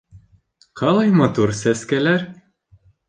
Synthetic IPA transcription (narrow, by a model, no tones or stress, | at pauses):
qʰɑlˠɑjmɑt̪uɾsæskælæɾ